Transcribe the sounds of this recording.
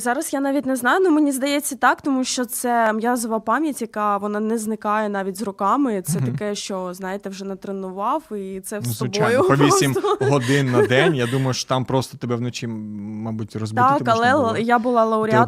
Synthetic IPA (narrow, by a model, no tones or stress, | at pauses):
zɑɾɐsjanɑʋʲitʲnɛznɑjʊnɔmenʲizd̪ɐjɛt͡sʲːɐt̪ɑkt̪ɔmuʃt͡ʃɔt̪sɛmjazɔʋɐpɑmʲjɐtʲjɐkɑʋɔnɑnɛznɪkɑjɛn̪ɑʋʲitʲzrʊkɑmɪt̪sɛt̪ɐkɛʃt͡ʃɔznɑjet̪ɛwʒɛnɐt̪ɾenʊʋɑwit̪sɛssɔbojʊpɔʋʲisʲimɦɔd̪ɪnːɐd̪ɛnʲjad̪umɐjʊʃt͡ʃɔ̥t̪ampɾɔst̪ɔt̪ebɛʋnɔt͡ʃiːɑbutʲrɔzbt̪uakɐlˠɛjabʊlˠɑlˠɐʊɾʲɪat̪